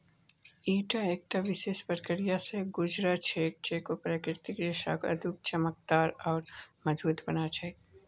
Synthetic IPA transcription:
iːʈaeːk̚t̪aʋɪʃeːʃpəɾkəɾijaseɡʊd͡ʒɾat͡ʃʰeːk̚t͡ʃeːkopɾakɾɪɾt̪ikɾeʃa̰kɐ̰d̪ʱʊk̚t͡ʃəmək̚d̪aːɾɔːɾmɐd͡ʒbuːt̪bɐnad͡ʒae

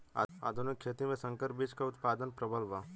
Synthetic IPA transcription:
a̰ːd̪ʱʊnɪkʃʰeːt̪imẽsɐ̃ŋkəɾpbiːt͡ʃkaʊt̪paːd̪ənpɾəbəlʋaː

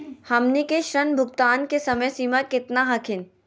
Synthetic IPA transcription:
hɐmnikeʃɾɐnbʱʊɡt̪aːnkesɐməjsiːmakɪt̪naɦɐkʰɪn

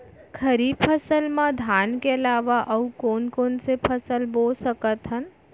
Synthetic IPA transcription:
kʰəɾiːbpʰəsəlmãd̪ʱaːnkeɐlaːʋaʔɐukoːnkoːnsepʰɐsəlboːlsəkət̪ɦən

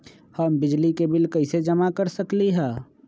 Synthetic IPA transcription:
həmbɪd͡ʒlikebɪlkəɪsed͡ʒəmakəɾsəkliɦɛ̃ː

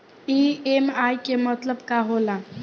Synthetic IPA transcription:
iemajkemət̪ləbkaɦolã

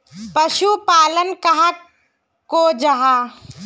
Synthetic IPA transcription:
pɐʃupaːlənkɐɦa | kod͡ʒɐɦaː

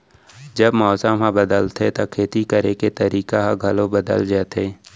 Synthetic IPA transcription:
d͡ʒəbmɔːsəmɦãbəd̪əlt̪ʰet̪akʰeːt̪ikəɾeket̪ɐɾiːkaɦaɡʱɐlõbəd̪ə̰ld͡ʒɛːt̪ʰeː

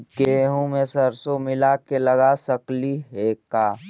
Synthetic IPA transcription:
keɦũmẽsəɾsomɪlakelɐɡasəkliɦekaː

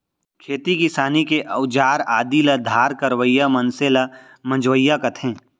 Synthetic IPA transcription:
kʰeːt̪ikɪsaːnikeʔɐʊd͡ʒaːɾaːd̪ilɐd̪ʱaːɾkɐɾwəjːamɐ̃nsela | mɐ̃nd͡ʒwəjːakɐt̪ʰẽː

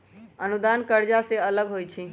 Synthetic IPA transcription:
ənud̪ankəɾd͡ʒaseələɡɦojt͡ʃʰi

